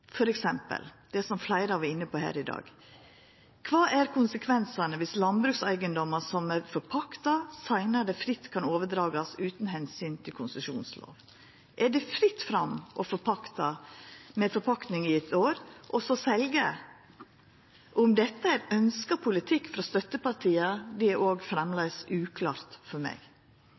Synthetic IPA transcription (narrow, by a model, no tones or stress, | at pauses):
fɔɾɛksɛmpə̰ld̪̥ɛsɔmflæɪɾəɑʋæɾɪnːəpʰɔhæ̰ːɾɪd̪ɑ̰ːɡ | kʰʋɑːʔæɾkʰʊnsəkʰʋɛnsɑnəʋɪslɑnbɾʉːksæɪɡənd̪ɔmːɑsɔmæɾfɔɾpʰɑkt̪ɑsæɪnɑd̪ɛfɾɪt̪ːkʰɑnoːʋəd̪ɾɑːɡɑsʉːt̪n̩ɦɛnsyːnt̪ʰɪlkʰʊnsʉʂṵːnslo̰ːʋ | ʔæɖɛfɾɪt̪ːfɾɑmʔɔfɔɾpʰɑkt̪ɑmɛfɔɾpʰɑkt̪nɪŋɪɛt̪ʰoːɾʔɔsɔsɛlɡə | ʔʊmd̪ɛt̪ːəæɾœnskɑpʰʊlɪt̪ʰɪkːfɔɾɔst̪œt̪ːəpɑɾʈʰiːɑd̪ɛæɾʔoːɡfɾɛmlɛsʉːkʰlɑ̰ːɾt̪fɔɾmɛ̰ɡ